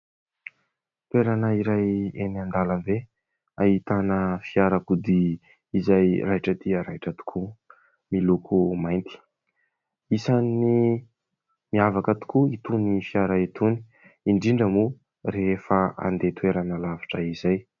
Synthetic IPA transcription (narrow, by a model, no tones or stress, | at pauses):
t̪weɾanəiɾajenand̪alambe | ait̪anəfiaɾakud̪iː | zajraiʈ͡ʂət̪iəɾaiʈ͡ʂət̪u̥kʰu | milukʰumajnt̪i̥ | isani | miavakət̪u̥kuit̪unifiaɾait̪uni̥ | iɳɖ͡ʐiɳɖ͡ʐəmu | refəa̰nd̪et̪weɾanəlavḁʈ͡ʂəizaj